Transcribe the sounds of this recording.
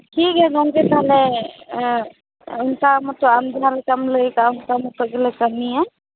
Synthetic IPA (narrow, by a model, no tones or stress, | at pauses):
ʈʰikɦɛɡaŋket̪aɦlɛ | ʊnkamɔt̪ɔamd̪ʱaɾkəmləjkaʊnkamɔt̪ɔɡelɛkəmiɛ